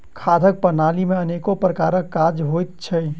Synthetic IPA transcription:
kʰaːd̪ʱək̚pənaːlimẽəneːkopɾəkaːɾəkːad͡ʒɦojt̪̚t͡ʃʰə

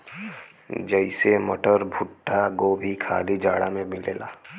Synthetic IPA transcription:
d͡ʒəɪsemɐʈəɾbʱʊʈːakoːbʱikʰa̰ːlid͡ʒaːɽamẽmɪleːla̰ː

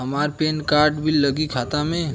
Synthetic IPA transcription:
ɦəmaːɾpeːnkaːɾʈbʱilləɡikʰaːt̪amẽ

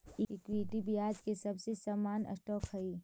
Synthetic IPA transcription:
ɪkwiʈibʱiaːd͡ʒkesɐbsesaːmaːnɐ̰sʈɔːkʰɦɐiː

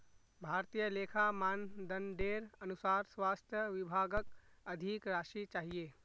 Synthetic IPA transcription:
bʱaːɾt̪ijəleːkʰamaːnd̪ənɖeːɾɐnʊsaːɾswaːst̪ʰjəʋɪbʱaːɡəkɐd̪ʱikɾaːʃit͡ʃaːɦieː

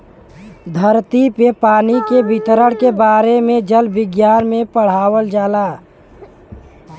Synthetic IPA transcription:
d̪ʱəɾt̪ipepaːnikebɪt̪ɾəɽkebaːɾemẽd͡ʒəlbɪɡjaːɾmẽpəɽ̤aːwəld͡ʒaːlaː

